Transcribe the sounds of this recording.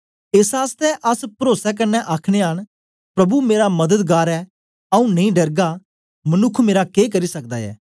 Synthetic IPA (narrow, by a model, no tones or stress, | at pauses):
eːsaːst̪ɛʔɐspɾoːsɛk̬ɐnːɛʔaːkʰɽ̃eaːɽ̃ | pɾɐbumeːɾamɐd̪əd̪ɡaːɾɛː | ɐũnɐ̃ĩɖɐɾɡa | mənʊkʰmeːɾakeːk̬ɐɾisɐk̚d̪a̰ːɛ̰ː